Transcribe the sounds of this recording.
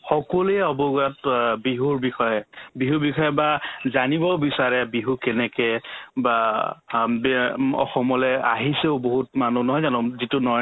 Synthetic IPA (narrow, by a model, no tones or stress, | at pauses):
xɔkɔluɛɔbɔɡatbiɦuɹbixɔjɛbiɦubixʰɔjɔbazanibɔbisaɹɛbiɦukɛnɛkɛba | bɔ̰xɔmɔlɛaɦiseʊboɦut̚manunɔɦɔjzanɔzitunɔ